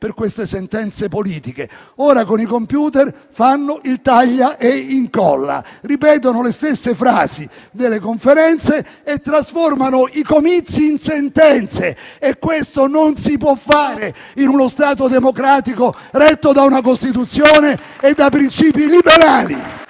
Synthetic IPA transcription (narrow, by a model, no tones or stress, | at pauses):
perkwest̪esɛnt̪ɛnt̪sepoliːt̪ike | ɔːɾakonikompjuːt̪ɛr | fanːoʔilt̪aʎːaʔeiŋkɔ̰lːa̰ripɛːt̪̬onolest̪esːefɾa̰ːzid̪elːekoɱfeɾɛnt̪seet̪ːɾasfɔrmanoikomit̪sːiːnsent̪ɛnt̪seekːwest̪ononsipwɔfːaːɾe | inunost̪aːt̪od̪emokɾaːt̪ikoɾɛt̪ːod̪aunak̬ost̪it̪̬ut̪sjoːneː | d̪ːapːɾint͡ʃiːpilibeɾaːlḭ